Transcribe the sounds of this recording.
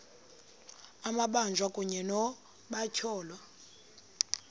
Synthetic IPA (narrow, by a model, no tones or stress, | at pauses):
amaɓand͡ʒʱwakʼuɲɛnɔ | ɓacʰɔːlwa